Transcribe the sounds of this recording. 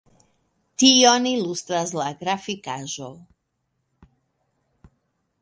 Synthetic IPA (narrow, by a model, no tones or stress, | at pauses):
t̪ionilust̪ɾazlaɡɾafikaʒol